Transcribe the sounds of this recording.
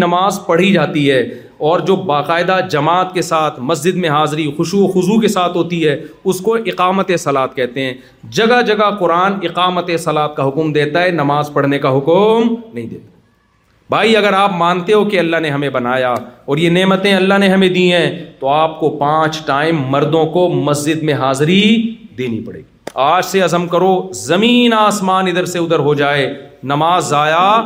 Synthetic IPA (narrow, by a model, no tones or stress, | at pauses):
nɐmaːzpɐɽ̤id͡ʒaːt̪iɦɛ | ɔːɾd͡ʒoːbaːqaːɪd̪ad͡ʒɐmaːt̪̚kesaːt̪ʰmɐs̬d͡ʒɪd̪mẽɦaːzɾixʊʃuoxʊzukesaːt̪ʰɦoːt̪iɦɛːʊskoʔɪqaːmət̪esɐlaːt̪̚kɛɦt̪eɦɛ̃ː | d͡ʒɐɡad͡ʒɐɡaqʊɾaːnɪqaːmət̪esɐlaːt̪̚kaɦʊkmd̪eːt̪aɦɛnɐmaːzpɐɽ̤nekaɦʊkmnɐɦĩd̪eːt̪ḁ | bʱaːiɐɡəɾaːpmãːnt̪eɦokeɐlːaɦneɦɐmẽbɐnaːjaːɔːɾjeneːmət̪ẽɐlːaɦneɦɐmẽd̪iɦɛ̃ːt̪oaːp̚kopãːt͡ʃʈaːɪmːɐɾd̪õkomɐsd͡ʒɪd̪mẽɦaːzɾid̪eːnḭpɐɽḛːɡiaːd͡ʒseɐzəmkɐɾozɐmiːnaːsmaːnɪd̪əɾseʊd̪əɾɦod͡ʒaːeːnɐmaːzaːjaː